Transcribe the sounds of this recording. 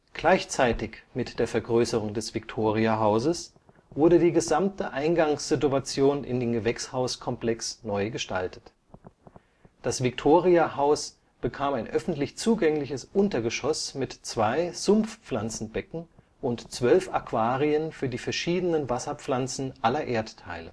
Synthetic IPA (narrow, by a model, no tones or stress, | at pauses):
ɡ̥laɪçt͡saɪtɪçmɪtd̥eːɐfɛɐɡʁøːsəʁ̞ʊŋdɛsv̥ɪktʰoːʁiaɦaʊzəs | v̥ʊɐɾədiːɡəzamtəʔaɪnɡaŋsz̥ɪtuat͡sjoːnɪ̰ndeːmɡəvɛkshaʊskʰɔmpl̥ɛksnɔʏɡəʃta̰ltə̥t | d̥asv̥ɪk̚tʰoːʁiaɦaʊs | b̥əkʰaːmaɪnʔœfn̩tlɪçt͡suːɡɛŋlɪçəsʔʊntɐɡəʃɔsmɪtt͡sv̥aɪz̥ʊmfp͡flant͡sn̩bɛkŋ̩ | ʊntt͡sv̥œlfakv̥aːʁiənfyːɐdiːfɛɐʃiːdənənvasɐp͡flant͡sn̩ʔalɐʔeːɐttʰːaɪlə̰